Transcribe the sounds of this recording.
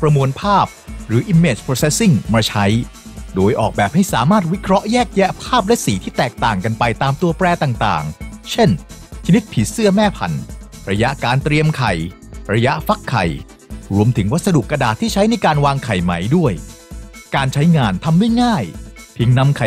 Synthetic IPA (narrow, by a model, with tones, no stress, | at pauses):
pɾa˧mu˧ənpʰaː˥˩p̚ɾɯː˩˦ʔi˧mːeː˧˩t͡ɕpʰɾoː˧se˦˥si˥˩ŋmaː˧t͡ɕʰa˦˥jdoː˧jʔɔː˨˩k̚bɛː˨˩p̚ha˥˩jsaː˩˦maː˥˩t̪̚wi˦˥kʰɾɔ˦˥ʔjɛː˥˩k̚jɛ˦˥ʔpʰaː˥˩p̬̚lɛ˦˥ʔsiː˨˦t̪ʰiː˥˩t̪ɛː˨˩k̚t̪aː˨˩ŋka˧npa˧jt̪aː˧mt̪u˧ɐpɾɛː˧t̪aː˨˩ŋt̪a̰ː˨˩ŋt͡ɕʰe˥˩nt͡ɕʰa˧ni˦˥t̪̚pʰi˨˩sɯ˥˩ɐmɛː˥˩pʰa̰˨˩nɾa˧ja˦˥ʔkaː˧nt̪ɾi˧əmkʰa˨˩j | ɾa˧ja˦˥ʔfa˦˥kʰːa̰˨˩j | ɾu˧əmt̪ʰɯ˩˦ŋwa˦˥t̪̚sa˧du˨˩kːa˧daː˨˩t̪ʰːiː˥˩t͡ɕʰa˦˥jna˧jkaː˧nwaː˧ŋkʰa˨˩jma˦jdu˥˩əj | kaː˧nt͡ɕʰa˦˥jŋaː˧nt̪ʰa˧mdu˥˩jŋaː˥˩jpʰi˨˩˦ŋna˧mkʰa˨˩